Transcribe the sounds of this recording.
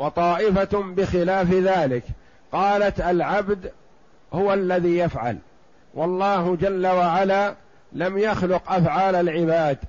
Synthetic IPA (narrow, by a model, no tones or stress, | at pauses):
wɑt̪ˤɑːʔɪfabɪxɪlaːfðaːlɪk | qɑːlat̪alʕabd̪ | hʊwalːaðiːjafʕa̰l | wʔɑlˤːɑːhd͡ʒalːawaʕalaː | lamjaxlʊqʔafʕaːlalʕɪbaːd̪